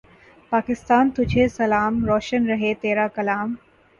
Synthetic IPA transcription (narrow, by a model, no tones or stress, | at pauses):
paːkɪst̪aːnt̪ʊd͡ʒʱesɐlaːmɾɔːʃənɾɐɦet̪eːɾaːkɐlaːm